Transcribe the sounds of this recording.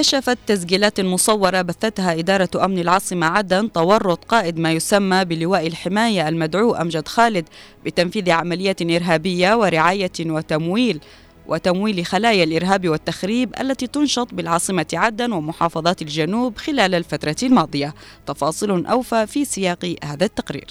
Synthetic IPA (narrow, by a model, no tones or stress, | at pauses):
kaʃafat̪ːas̬ɡiːlaːt̪lmʊsˤɑwːɑɾˤɑbaθːat̪haʔɪd̪ɑːɾˤɑʔamnalʕɑːsˤɨmaʕad̪ant̪ɑwɑrˤːʊt̪ˤqɑːʔɪd̪maːjʊsamːabɪlɪwaːʔɪlħɪmaːjaʔalmad̪ʕuːʔa̰md͡ʒad̪xaːlɪd̪ | bɪt̪amfiːðiʕamalɪjːaːt̪ʔɪɾɦaːbɪjːawɪɾɪʕaːjawɪt̪amwiːl | wʔɪt̪amwiːlxalaːjalʔɪɾɦaːbiwɪt̪ːaxɾiːbʔa̰lːat̪it̪ʊnʃɑt̪ˤbɪlʕɑːsˤɨmaʕad̪ːanwɪmʊħɑːfɑðˤɑːt̪ald͡ʒanuːbxɪlaːlalfat̪ɾˤɑlmɑːd̪ˤɨja | t̪ɑfɑːsˤɨlʊnʔa̰wfafiːsɪjɑːqhaːðat̪ːaqɾḭːɾ